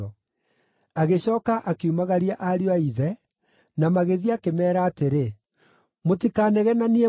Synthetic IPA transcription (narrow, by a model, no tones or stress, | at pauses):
ɔ | aɣeɕɔːkaʔakeumaɣaɾiaʔaɾioaiðɛ | namaɣeðiakemɛːɾaːteɾe | motikaːnɛɣɛnanie